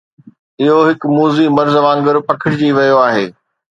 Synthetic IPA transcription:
ɪɦoɦɪkmuːzimɐɾzʋaːnɡəɾpɐkʰɪɽɪd͡ʑiːʋɐjoaːɦeː

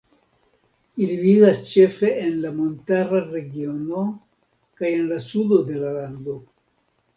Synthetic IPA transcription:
ilivivast͡ʃe̞fe̞enlamo̞ntaɾaɾe̞ɡio̞no̞ | kaje̞nlasudo̞d̪e̞laland̪o̞

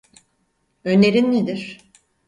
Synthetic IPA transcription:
ø̞neɾinːed̪iɾ̥

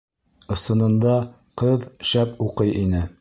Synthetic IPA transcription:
ɤ̆sɤ̆nɤ̆nd̪ɑ | qɤðʃæpuqɤjʔinɘ

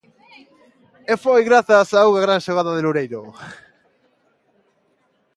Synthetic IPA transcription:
efojɣɾaθasauɣaɣɾanʃoɣaðaðeluɾejɾo

